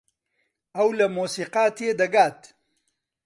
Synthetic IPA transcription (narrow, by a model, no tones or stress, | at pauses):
ɐwlɐmoːsiːqaːt̪ed̪ɐɡaːt̪